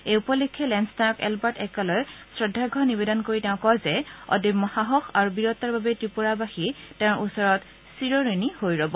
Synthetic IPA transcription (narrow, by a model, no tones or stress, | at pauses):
ejupɔlikʰːɛlɛnstaɔkɛ̰lbaɹtɛkalojsɹɔdʱːaɡʱɔnibedɔnkoɹitɛ̃ʊ̃kɔzɛɔ̰dimɔhaɦɔxʰaɹubiɹɔt̪ːaɹbabɛtɹipuɹabaxitɛʊ̃ɹʔusɔɹɔt | siɹoɹinihojɹɔbɔ